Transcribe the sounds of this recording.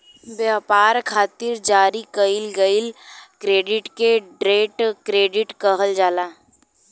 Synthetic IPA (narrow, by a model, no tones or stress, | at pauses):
bjaːpaːɾkʰaːt̪ɪɾd͡ʒaːɾikəɪlɡəɪlkɾeːɖɪʈkeɖɾeːʈkɾeːɖɪʈkəɦəld͡ʒaːlaː